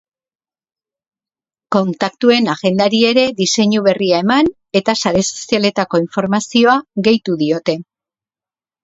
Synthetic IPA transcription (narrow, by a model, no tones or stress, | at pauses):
ko̞nt̪akt̪ue̞naɣe̞nd̪aɾie̞ɾe̞ðise̞ɲuβe̞riae̞man | e̞t̪asaɾe̞so̞̥siale̞t̪ako̞iɱfo̞ɾmasio̞aɣe̞jt̪uðio̞t̪e̞